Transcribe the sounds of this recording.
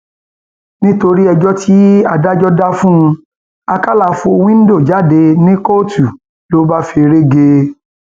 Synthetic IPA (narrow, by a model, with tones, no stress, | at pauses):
nĩ˦to˧ɾi˦ɛ˧d͡ʒɔ˦tʰi˦a˧da˦d͡ʒɔ˦da˦fũ˦˧ | a˧ka˦la˧fo˧o˧w̃ĩ˦n̩˦do˦˨d͡ʒa˨˦˨de˧nĩ˦ko˦tu˨ | lo˦ba˦fi˧ɾe˦ɡe˧